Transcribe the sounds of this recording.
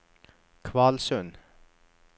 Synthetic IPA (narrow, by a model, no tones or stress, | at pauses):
kʰvalsœn